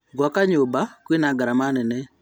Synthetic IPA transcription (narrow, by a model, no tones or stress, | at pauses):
ɡɔkaɲobakwinaɡaɾamanɛnɛ